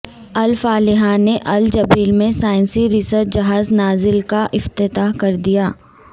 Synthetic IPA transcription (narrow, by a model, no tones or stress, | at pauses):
ɐlfaːlɪɦaneʔɐld͡ʒɐbiːlmẽsaːɪ̃nsiɾɪsəɾd͡ʒɐɦaːznaːzɪlkaʔɪft̪ɪt̪aːɦkɐɾd̪ijaː